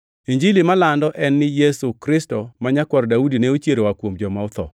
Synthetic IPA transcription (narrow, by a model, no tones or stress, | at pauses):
iɲd͡ʒilimalandɔʔɛnːɪjesukɾɪstomaɲakwɔɾdaudineot͡ʃjeɾowakwomd͡ʒɔmaʊt̪ɔ̰